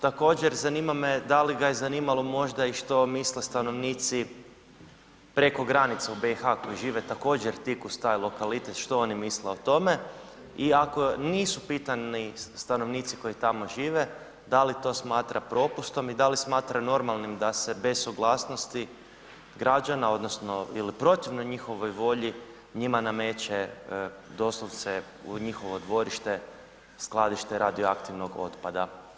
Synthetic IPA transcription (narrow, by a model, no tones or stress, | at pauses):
t̪ako̞ːd͡ʑeɾzanimamed̪aliɡajezaniːmalˠomo̞ʒd̪aiʃt̪o̞mislest̪ano̞ʋniːt̪si | pɾeko̞ɡɾanit̪seube̞ixako̞jiʒiːʋet̪ako̞ːd͡ʑeɾt̪ikust̪aːjlˠo̞kalit̪et̪ʃt̪o̞onimisleo̞t̪o̞me̞ | iako̞niːsupiːt̪anist̪ano̞ʋniːt̪si̥ko̞it̪amo̞ʒiːʋe | d̪alit̪o̞smaːt̪ɾapɾo̞pust̪o̞mid̪alismaːt̪ɾano̞ɾmalˠnimd̪ase̞be̞sːuɡlˠaːsnost̪i | ɡɾad͡ʒanao̞d̪no̞sno̞ilipɾo̞t̪iʋnoɲixo̞ʋo̞jʋo̞ʎi | ɲimanamet͡ʃe | d̪o̞slˠoʋt̪se | ṵɲixo̞ʋo̞d̪ʋo̞ɾiʃt̪e | sklˠad̪iʃt̪eɾad̪ioakt̪iʋnoɡo̞̰t̪pad̪a